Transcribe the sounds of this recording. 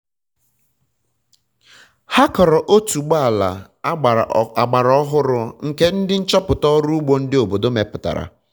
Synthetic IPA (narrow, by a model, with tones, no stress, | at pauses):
ha˦kɔ˨ɾɔ˨ʔo˦tu˨ɡ͡ba˦a˨la̰˨ | a˨ɡ͡ba˨ɾɔ˦ɦʊ˦ɾʊ˨ŋ̩˨ke˦n̩˦dɪ˦n̩˦t͡ʃɔ˦pʊ˨tɔ˦ɾu˦ɡ͡bo˦n̩˦dɪ˦o˨bo˨do˦me˨pʊ˨ta̰˨ɾa̰˨